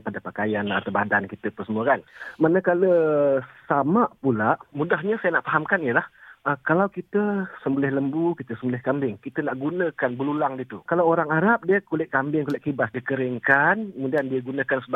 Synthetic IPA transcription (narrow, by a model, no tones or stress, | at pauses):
padapakajanat̪awbadankit̪əpəsəmuəkanmanəkaləsamaʔpulaʔmudaɦɲəsajanaʔfaɦamkanijəlahəkalawkit̪əsəmbəlɪhləmbukit̪əsəmbəlɪhkambɪŋkit̪ənaʔɡunə̃kanbəlulaŋdit̪ukalawoɾaŋaɾap̚diəkulɪʔkambɪŋkulɪʔkːibasdikəɾɪŋkankəmudiandiəɡunə̃kansəb